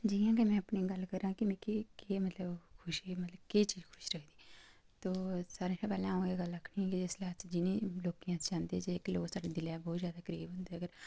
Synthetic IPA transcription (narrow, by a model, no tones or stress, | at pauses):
d͡ʒijãːɡeːmɛ̃ːəpniːɡəlːkəɾãːkɪmɛ̃ːkekeːmət̪ləbkʰʊʃimət̪ləbkeːt͡ʃiːd͡ʒkʰʊ̥ʃɾəkʰd̪iː | t̪oːsaːɾẽːʃãːpɛːlãːõːeːɡəlɾəkʰːɳiːɛːkid͡ʒɪslaːt͡ʃd͡ʒɪnẽːloːkijãːst͡ʃãːnd̪eːd͡ʒeːɪkloːksaːɖeːd̪ɪlaːbɔːt̪zjaːd̪aːkəɾḭːbɦʊ̃nd̪eːəɡəɾ